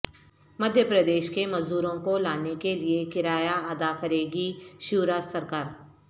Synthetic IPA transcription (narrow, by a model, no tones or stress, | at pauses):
mɐd̪ʱjəpɾɐd̪eːʃkemɐzd̪uːɾõkolaːnekeliekɪɾaːjaɐd̪akɐɾeːɡiʃuːɾaːsɐɾkaːɾ